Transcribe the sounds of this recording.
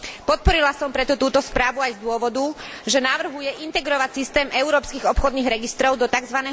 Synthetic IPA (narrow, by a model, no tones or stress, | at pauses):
pɔt̪̚pɔɾilasɔmpɾɛt̪ɔt̪uːt̪ɔspɾaːʋuajzd̪ʊɔʋɔd̪u | ʒɛnaʋr̩ɦujɛʔint̪ɛɡɾɔʋacsist̪ɛːmʔɛʊɾɔːpskiɣɔpxɔd̪niɣɾɛɡist̪ɾɔʊd̪ɔt̪aɡzʋanɛː